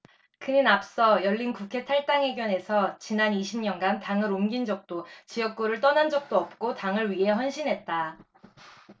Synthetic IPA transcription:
kɯɲinap̚s͈ʌjʌʎːinkukʰe̞tʰaɭt͈aŋɦe̞ɡjʌne̞sʰʌt͡ɕinaniɕʰimɲʌnɡantaŋɯɾomɡind͡ʑʌk̚t͈ot͡ɕijʌk̚k͈oɾɯɭt͈ʌnɦand͡ʑʌk̚t͈oʌp̚k͈otaŋɯɭɥiɦe̞ɦjʌnɕʰinɦe̞t̚t͈a

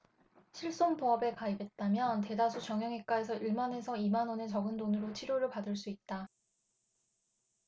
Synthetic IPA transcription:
ɕʰiɭs͈onpoʌbe̞kaibe̞t̚t͈amjʌnte̞dasʰut͡ɕjʌŋjʌŋek͈ae̞s̬ʰʌiɭmane̞sʰʌimanʌnet͡ɕʌɡɯndonɯɾot͡ɕʰiɾjoɾɯɭpadɯɭs͈uit̚t͈a

